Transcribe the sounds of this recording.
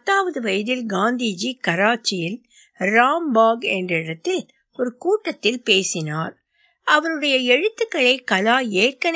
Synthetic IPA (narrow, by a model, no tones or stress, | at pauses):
ɐt̪ːaːʋɐðɯʋɐjɐðɪlɡaːnd̪iːd͡ʒikɐɾaːt͡ʃːɪjɪl | ɾaːmbaːɡɛndrɐɽɐt̪ːɪl | ɔɾɯkuːʈːɐt̪ːɪlpeːsɪnaːɾ | ɐʋɐɾɯɽɐjɐɛɻɯt̪ːɯkːɐɭɐɪkɐlaːeːrkɐn